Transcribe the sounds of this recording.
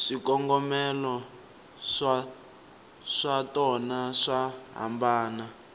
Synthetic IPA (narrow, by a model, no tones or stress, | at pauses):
ʂikɔŋɡɔmɛlɔ | ʂa | ʂatɔnaʂaɦa̰mbaːna